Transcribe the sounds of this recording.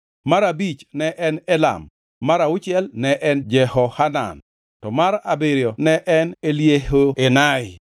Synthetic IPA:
maɾabit͡ʃnɛʔɛnɛla̰mː | aɾaʊt͡ʃɛlnɛʔɛnd͡ʒɛhɔhana̰n | tɔmaɾabeɾjɔnɛʔɛneljehoenaɪ

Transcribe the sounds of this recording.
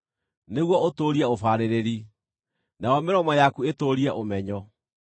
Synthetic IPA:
neɣwɔotoːɾiɛofaːɾeɾeɾi | najɔmeɾɔmɔjakuetoːɾiɛʔomɛɲɔ

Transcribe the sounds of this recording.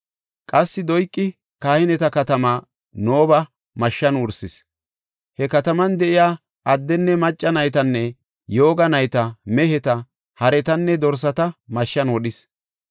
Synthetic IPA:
kʼɐsːɪd̪ɔjkʼːɪ | kaːhɪnɛt̪ɐkɐt̪ɐmaː | noːbɐ | mɐʃːɐnwʊɾsɪs | hɛkɐt̪ɐmɐnd̪ɛʔɪjaː | ʔɐd̪ːɛnːɛmɐt͡ʃʼːɐnɐjt̪ɐnːɛ | jo̞ːɡɐnɐjt̪ɐmɛhɛt̪ɐ | hɐɾɛt̪ɐnːɛd̪ɔɾs̬ɐt̪ɐmɐʃːɐnwɔɗɪs

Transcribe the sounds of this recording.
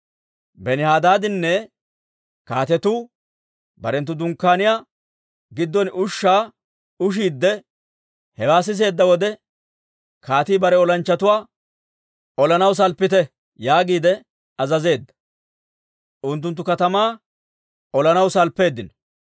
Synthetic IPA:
bɛnɪhaːd̪aːd̪ɪnːɛ | kaːt̪ɛt̪uː | bɐɾɛnt̪̬ːʊd̪ʊŋkːaːnɪjaː | ɡɪd̪ːɔnʊʃːaː | ʊʃ̬iːd̪ːɛ | hɛwaːs̬ɪs̬e̞ːd̪ːɐwɔd̪ɛ | kaːt̪iːbɐɾɛɔlɐnt͡ʃːɐt̪ʊwaː | ɔlɐnɐws̬ɐlpːɪt̪ɛ | jaːɡiːd̪ɛ | ɐzɐze̞ːd̪ːɐ̥ | ʔʊnt̪̬ːʊnt̪̬ːʊkɐt̪ɐmaː | ɔlɐnɐwsɐlpːe̞ːd̪ːɪn

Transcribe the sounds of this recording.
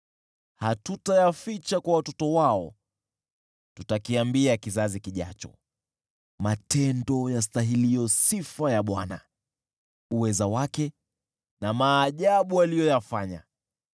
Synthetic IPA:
hatutajafit͡ʃakwawatɔtɔwaɔ̰ | tutakiambiakizazikiʄa̰t͡ʃɔ̰ | matɛndɔjas̬taɦilijɔsifajaɓwana̰ | uwɛzawakɛ | namaːʄaɓualijɔjafaɲa̰

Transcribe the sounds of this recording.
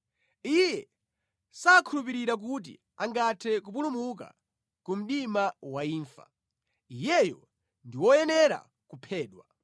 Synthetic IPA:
ijɛ | saːkʰulup̬iɾiɾak̬ut̬ḭ | aŋɡatʰɛkup̬ulumuk̬a̰ | kum̩ɗimawaiːɱfa̰ | ijɛjɔ | ndiwɔjɛnɛɾa̰ | kupʰɛːɗwa

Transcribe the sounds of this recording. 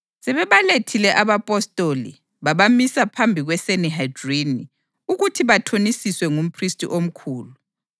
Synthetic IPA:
sɛβɛβaletʰilɛʔaβapʼɔstʼolḭ | βaβamisapʰambʱiɣwɛseniɦajdrini | uɣutʰiβatʰonisiswɛŋum̩pʰristʼḭʔom̩kʰuːlu

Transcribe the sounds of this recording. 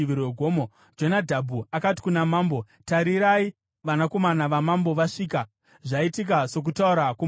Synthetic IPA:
ʋiɾeɡʱoːmo | d͡ʒonadʱabʱuakati̥kunamaːmbo̞ | taɾiɾai | ʋanako̞manaʋamambo̞ʋaʂiːka | ʐaitik̬aso̞k̬utauɾaku

